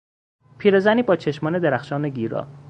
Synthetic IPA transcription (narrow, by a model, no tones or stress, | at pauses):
pʰiːɾezæniːbɒːt͡ʃʰeʃmɒːne̞d̪eɾæxʃɒːneɡiːɾɒ̰ː